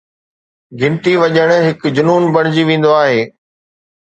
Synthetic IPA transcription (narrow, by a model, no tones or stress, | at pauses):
ɡɪ̃nt̪iʋɐʄəɽ̃ɦɪkd͡ʑʊnuːnbɐɽ̃ɪd͡ʑiʋẽːn̆d̪oaːɦeː